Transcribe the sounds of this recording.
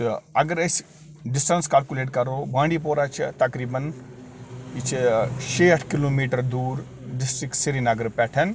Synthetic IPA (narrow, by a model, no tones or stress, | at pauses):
ɐɡəɾɐs | ɖɪsʈɐnskaːlkuleːʈkɐɾoːbãːɳɖiːpoːɾaːt͡ʃʰit̪ɐkɾiːbɐn | it͡ʃʰit͡ʃʰeːɐʈʰkiloːmiːʈɐɾd̪uːɾ | ɖɪsʈɾiksiɾinɐɡəɾpɛːʈʰɐn